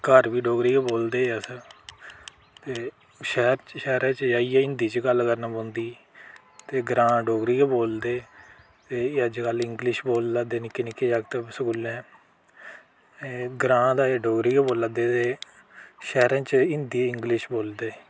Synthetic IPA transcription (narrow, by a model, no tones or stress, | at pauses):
kəɾʋiːɖoːɡɾiːaːboːld̪eːəsə | t̪eː | ʃɛːɾt͡ʃʃɛːɾãːt͡ʃd͡ʒaːiːɛɪnd̪iːt͡ʃɡəlkəɾnãːbõːnd̪iː | t̪eːɡɾãːɖoːɡɾiːaːboːld̪eː | t̪eːəd͡ʒkəlɪŋɡlɪʃboːld̪aːd̪eːnɪkːeːnɪkːeːd͡ʒaːkt̪eːsəkʊlːɛ̃ː | ɡɾãːd̪aːeːɖoːɡɾiːaːboːlad̪eːt̪eː | ʃɛːɾãːt͡ʃɪnd̪iːɪŋɡlɪʃboːld̪eː